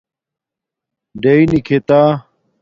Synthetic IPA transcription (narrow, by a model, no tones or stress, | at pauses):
ɖɐinikʰet̪aː